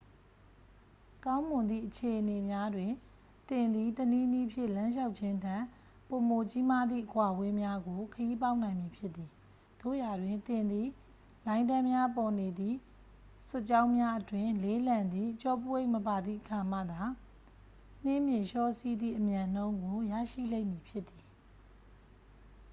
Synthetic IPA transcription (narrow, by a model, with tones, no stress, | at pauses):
kã˦ʊ̃mʊ̃˨nd̪ðḭ˦˨ʔət͡ɕʰe˨ʔəne˨mja˦dwɪ̃˨ | t̪ɪ̃˨nd̪i˦˨təni˦ni˦pʰjɪ˦ʔlã˦ʃ̬a˦ʊt̚t͡ɕʰɪ̃˦tʰã˦˨ | po˨mo˨t͡ɕi˦ma˦d̪ðḭ˦˨əkwa˨we˦mja˦ɡo˨kʰəji˦p̬a˦ʊʔnã˨ɪ̃mji˨pʰjɪ˦t̪t̪ːi˨ | d̪̥o̰˦˨ja˨dwɪ̃˨nt̪ɪ̃˨nd̪ḭ˦˨ | lã˨˦ɪ̃nã˦mja˦pɔ˨ne˨d̪ðḭ˦˨ | sʊ˦˨t͡ɕã˦ʊ̃mja˦ʔətwɪ̃˦˨le˨˦lã˨nd̪ðḭ˦˨t͡ɕɔ˦pu˦we˦ɪʔməpa˨d̪ðḭ˦˨ʔəkʰa˨m̥ä̰˦˨d̪a˨ | n̥ɪ̃˦˨mjɪ̃˨ʃɔ˦si˦d̪ðḭ˦˨ʔəmjã˨n̥õ˦ʊ̃ŋɡo˨ja̰˦˨ʃḭ˦˨lẽ˦ɪ̃˨mji˨pʰjɪ˦t̪ːi˨